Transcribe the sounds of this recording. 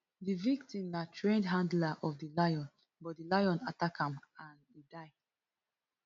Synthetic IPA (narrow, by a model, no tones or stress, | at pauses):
divik̚tĩmnatʰɹẽndɦãndlaʔɔfdilajɔ̃n | bɔt̚dilajɔ̃natakʰãmãnidaɪ